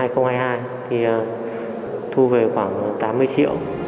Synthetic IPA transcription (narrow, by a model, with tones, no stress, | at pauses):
aː˧jxə˧wŋ͡mhaː˧jhɦaː˧j | t̪ʰi˨˩ə˨˩ | t̪ʰu˧ve˨˩xwaː˧˩ŋ˨˩t̪aː˨˦mːɨ˧əjt͡ɕḭ˧˨əw